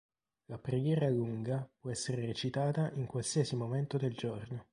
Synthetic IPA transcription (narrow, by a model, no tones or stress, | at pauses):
lapɾeɡjɛːɾaluŋɡapwɔɛsːeɾeɾet͡ʃit̪aːt̪aʔiŋkwalsiːɛsimoment̪od̪eld͡ʒorno